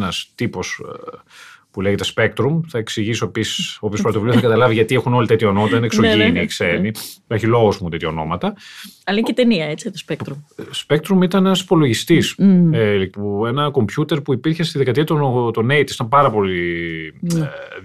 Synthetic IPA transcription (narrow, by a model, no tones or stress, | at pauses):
nɐst̪ipo̞s | puleʝet̪espe̞k̚t̪ɾumθɐeksiʝisoepisi̥soːpiospɾot̪ouliosθɐkɐt̪ɐlɐviʝɐt̪iexuno̞lit̪et̪çɐono̞mɐt̪ɐineksoiniksenieçilo̞ɣozmunt̪et̪çɐono̞mɐt̪ɐɐlɐĩcet̪eniɐet͡sit̪ospek̪ɾumspe̞k̚t̪ɾumit̪ɐnenɐspo̞lo̞ʝist̪is | puenɐko̞mpçut̪e̞ɾpuipiɾçe̞st̪iðekɐt̪iɐt̪ot̪oneit̪si̥t̪ɐmpɐɾɐpo̞li